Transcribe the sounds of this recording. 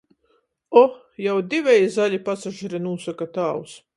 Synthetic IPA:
ɔ | jawd̪ivʲɛjzaʎʲipasaʒɛɾɛnuːsakat̪aːws

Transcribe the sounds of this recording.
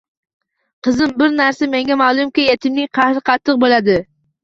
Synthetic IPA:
qʰɨzɪmbɪɾnaɾsameŋɡʲamalˠʊmkʲɪjet̪ʰɪmnɪŋqʰɑhɾɨqʰɑt̪ʰːɨq̚bolad̪ɪ

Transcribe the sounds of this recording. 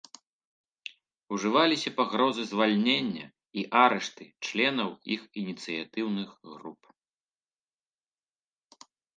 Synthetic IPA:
uʐɨvalʲisʲɐpaɣɾɔzɨzvalʲnʲenʲːɐ̰ | iʔaɾɛʂt̪ɨt͡ʂlʲɛnɐwixinʲit̪sɨjat̪ɨwnɨɣɣrup

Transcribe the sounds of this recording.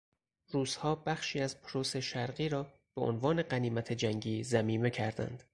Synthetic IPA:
ruːz̥hɒːbæχʃiːæzpʰɾose̞ʃæɾɢiːɾɒː | b̥e̞ʔo̰nvɒːne̞ɢæniːmæt̪ʰed͡ʒæŋɟiːzæmiːme̞cʰæɾd̪æ̰nd̪̥

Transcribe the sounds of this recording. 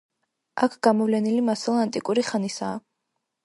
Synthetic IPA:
akʰɡ̥amɔvlɛnilimasɛlˠant̪ʼikʼuɾiχanisaː

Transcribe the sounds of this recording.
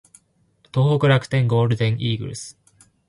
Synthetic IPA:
t̪o̞ːɦokɯ̟ɾakɯ̟̥t̪ẽ̞ŋɡoːɾɯ̟d̪ẽŋʔiːɡɯ̟̰ɾɯ̰sɨ̥

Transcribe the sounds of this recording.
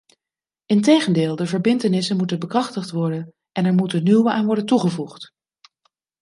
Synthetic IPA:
ɪntejχəndɪːlˠdəvəɹbɪntənɪsənmutənbəkrɑχtəχtʋɔɹdən | ʔɛnɛɹmutənywəʔaːnʋɔɹdəntuχəvuχt

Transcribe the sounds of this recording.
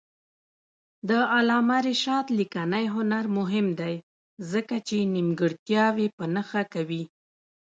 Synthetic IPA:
d̪əalɑmaɾeʃɑt̪likanəjɦʊnaɾmʊɦɪmd̪aj | zəkat͡ʃenimɡəɽt̪jɑwepənəxakawi

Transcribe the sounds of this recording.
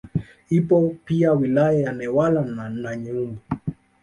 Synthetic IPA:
ipɔpiawilajajanɛwalananaɲɛumbu

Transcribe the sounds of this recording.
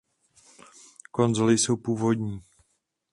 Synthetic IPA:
ko̞nzolɪsowpuːvo̞d̪ɲiː

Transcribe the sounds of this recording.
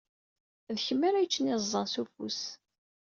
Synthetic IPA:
ðçəmːəɾæjt͡ʃːənizˤːɑnsufṵs

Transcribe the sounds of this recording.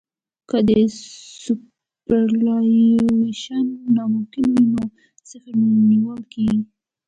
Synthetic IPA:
kəd̪əsu | pəɾlɑeʃanːɑmʊmkɪnwino | t͡səxniwəlkeɡi

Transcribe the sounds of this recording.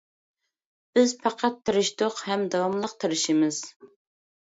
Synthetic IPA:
b̥ɪzpʰɑqʰɑt̪ʰːɨɾɨʃd̪ʊqhɛmd̪ɑwɑmlˠəq̚t̪ʰɨɾɨʃimɨz̥

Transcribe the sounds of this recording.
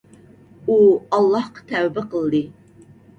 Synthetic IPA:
uɑlˠːɑhqʰɑ̥t̪ʰæwbəqəlˠd̪ɨ

